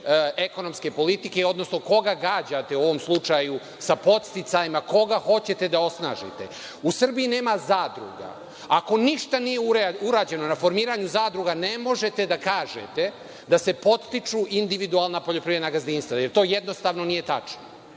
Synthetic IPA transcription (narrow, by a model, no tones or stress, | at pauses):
e̞ko̞no̞mske̞po̞lit̪ike̞o̞d̪no̞snoko̞ɡaɡaːd͡ʑat̪e̞uo̞ʋo̞mslˠut͡ʂaju | sapo̞t̪st̪it̪sajimako̞ɡaxo̞t͡ɕe̞t̪e̞d̪ao̞sna̰ːʒḭt̪e̞̰ | usr̩bijine̞ːmazaːd̪ɾṵɡa̰ | ako̞niʃt̪anijeuɾuɾaːd͡ʑe̞no̞nafo̞ɾmiːɾaɲuzaːd̪ɾuɡane̞mo̞ʒe̞t̪e̞d̪akaːʒḛt̪e̞ | d̪ase̞po̞t̪st̪it͡ʃuʔind̪iʋid̪ualˠnapoʎo̞pɾijenaɡazd̪iːnst̪ʋajeɾt̪o̞ːjed̪no̞st̪aːʋno̞nije̞t̪a̰t͡ʃno